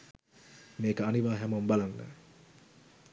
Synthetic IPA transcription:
meːkəaniʋaːɦɛmombalanːə̰

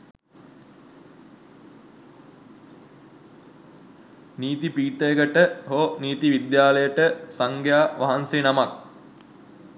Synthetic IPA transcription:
niːt̪ipiːʈ̪əjəɡəʈəɦoːniːt̪iʋid̪jaːləjəʈəsaŋɡjaːʋʔaɦansenamak̚

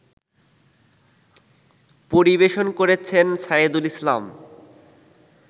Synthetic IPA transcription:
poɾibeʃonkoɾet͡ɕʰensaid̪ulisla̰m

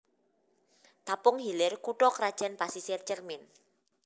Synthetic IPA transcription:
t̪apʊŋɦilɪrkuʈɔkɾad̥ʒ̥a̤npasisɪrt͡ʃərmɪn

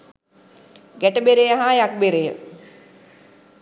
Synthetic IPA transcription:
ɡæʈəbeɾejaɦaːjak̚beɾejə̰

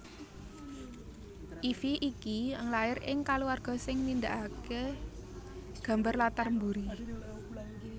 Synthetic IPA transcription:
ʔifiʔikiəŋlaɪrɪŋkaluwarɡ̥ɔ̤sɪŋnind̪aʔake | ɡ̥ä̤mbarlat̪armbuɾi

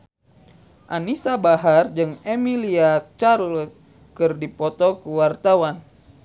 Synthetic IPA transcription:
ʔanisabaɦard͡ʒɨŋemiliat͡ʃarlɔk̚ | kɨrdipɔt̪ɔkəwart̪awan

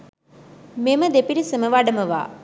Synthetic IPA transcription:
meməd̪epiɾisəməʋaɖəməʋa̰ː

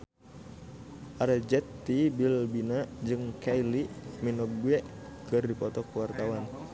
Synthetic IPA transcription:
ʔaɾɛd͡ʒɛt̪ːibilbinad͡ʒɨŋkailiminɔk̚ɡuɛkɨrdipɔt̪ɔkuwart̪awan

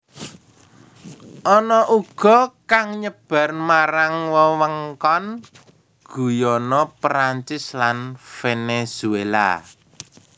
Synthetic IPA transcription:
ʔɔnɔʔuɡ̥ɔ̤kaŋɲəb̥a̤rmaɾaŋwəwəŋkɔn | ɡ̥ṳjɔnɔpɾaɲt͡ʃɪslanfenez̥uela̰

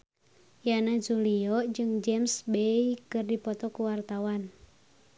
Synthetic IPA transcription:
janad͡ʒuliɔd͡ʒɨŋd͡ʒɛmsbeikɨrdipɔt̪ɔkuwart̪awan

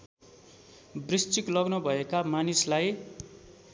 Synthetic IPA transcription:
brist͡siklʌɡnʌbʱʌekamanislaj

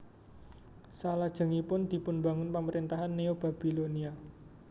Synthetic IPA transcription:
salad̥ʒ̥ə̤ŋipʊnd̪̥i̤pʊnba̤ŋʊnpaməɾint̪aɦanːeob̥a̤b̥i̤lonia

